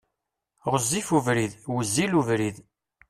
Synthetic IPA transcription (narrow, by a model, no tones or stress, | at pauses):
ʁəzːifuvɾiðwəzːiluvɾið